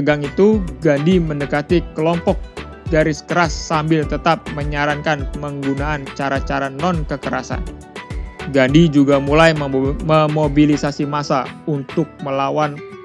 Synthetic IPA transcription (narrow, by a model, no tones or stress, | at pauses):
əɡaŋit̪uɡandimənəkat̪ikəlɔmpɔk̚ | ɡaɾɪskəɾasːambɪlt̪ət̪ap̚məɲaɾaŋkanməŋɡunaʔːnt͡ʃaɾat͡ʃaɾanɔnkəkəɾa̰sa̰n | ɡandid͡ʒuɡamulajməmobilisasimasaunt̪ʊk̚məlawan